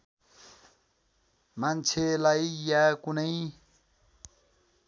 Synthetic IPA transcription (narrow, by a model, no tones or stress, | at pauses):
mant͡sʰelajjakunʌj